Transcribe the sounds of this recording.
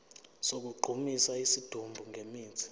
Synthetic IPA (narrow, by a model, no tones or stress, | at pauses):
sok̬uǃʱumisaisid̥ʱumbʱuŋɡʱemiːt͡sʰi̥